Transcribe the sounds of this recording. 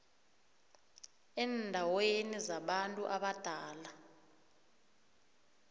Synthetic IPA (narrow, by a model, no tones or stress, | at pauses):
ɛndʱawenizaɓantʼuʔaɓad̥ʱaːla